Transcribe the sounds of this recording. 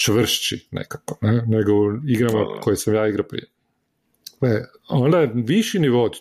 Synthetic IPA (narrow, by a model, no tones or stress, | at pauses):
t͡ʃʋr̩ʃt͡ɕinḛkḁko̥neneɡoiɡɾamakʰojesamjaːiɡɾapɾḭje | e | ond̪aeʋiʃiniʋot̪